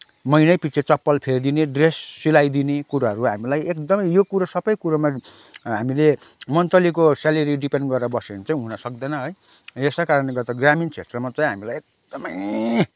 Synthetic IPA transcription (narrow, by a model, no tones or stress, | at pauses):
mʌjnʌjpit͡sʰet͡sʌpːʌlpʰerd̪ineɖresːilajd̪inekuɾaɦʌɾuɦamilajek̚d̪ʌmʌjjokuɾasʌbʌjkuɾama | ɦamilemʌnt̪ʌlikosaleɾiɖipeɳɖɡʌɾabʌsent͡saĩɦunʌsʌk̚d̪ʌnʌɦoj | esakaɾʌnleɡʌt̪aɡramint͡sʰet̪rʌmat͡saĩɦamilajek̚d̪̥ʌmʌj